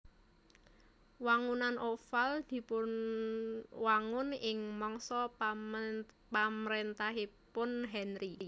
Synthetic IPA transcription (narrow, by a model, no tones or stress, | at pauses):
waŋunanʔofald̪̥i̤pʊn | waŋʊnɪŋmɔŋsɔ | pamɾent̪aɦipʊnɦɛnɾi